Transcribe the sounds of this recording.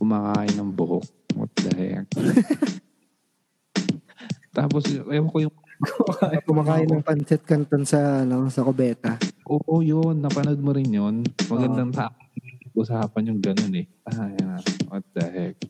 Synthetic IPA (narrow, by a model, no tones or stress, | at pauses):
kʊmaːkaːʔɪnɐŋbʊhok̚mɐ̰t̪̚d̪ɐ̰hɛ̰k | t̪aːposɐjɐwkojʊŋkakːʔkʊmaːkaːjɪnɐŋpɐnt͡ʃɛt̪̚kɐnt̪onsɐɐnosɐkobɛːt̪ɐʔoːʔojonːɐpɐnod̪̚moɾɪnjonmɐɡɐnd̪aŋt̪aːʔoɐŋikɐɡ̚ʔʊsaːpɐnjʊŋɡɐnonɛ | ɐhajaɐt̪̚d̪ɐɦɛk̚